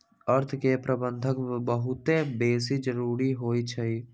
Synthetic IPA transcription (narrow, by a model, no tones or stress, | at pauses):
əɾt̪ʰkepɾəbə̃nd̪ʱəkbəɦʊt̪ebeːsid͡ʒəɾuːɾiɦoːit͡ʃʰɐiː